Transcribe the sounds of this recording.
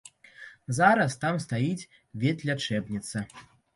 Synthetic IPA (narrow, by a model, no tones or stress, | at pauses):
zaɾɐst̪amst̪ajit͡sʲ | vʲɛt̪lʲat͡ʂɛbnʲit̪sɐ